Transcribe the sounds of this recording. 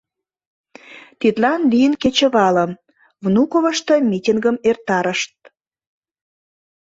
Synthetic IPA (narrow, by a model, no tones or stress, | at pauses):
t̪it̪lɑnlijənket͡ɕə̆βɑlə̆m | vnukoβəʃt̪əmʲitʲiŋɡəmert̪ɑɾəʃt̪̚